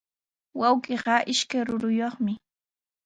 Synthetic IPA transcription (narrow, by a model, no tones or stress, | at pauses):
wawkeɢɑʔɪʃkajɾʊɾʊjoχmɪ